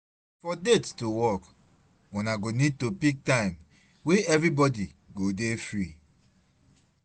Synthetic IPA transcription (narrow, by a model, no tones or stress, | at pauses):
fɔdettowɔk | unaɡonid̚topik̚tãɪ̃m | weɛvɹibɔdiɡodefɹi